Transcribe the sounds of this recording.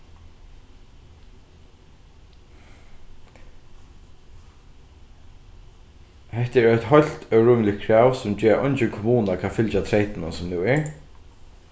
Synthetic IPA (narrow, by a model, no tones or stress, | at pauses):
hɛht̪ɛɹɔjt̪ɦɔl̥t̪œwɹuːmɪlɪkkʰɹaːwsʊmd͡ʒɛːɹɔ̰jnt͡ʃɪnkʰʊmuːnakʰaːfɪlt͡ʃat̪ʰɾeɪt̪ɪnansʊmnʉːɛɹ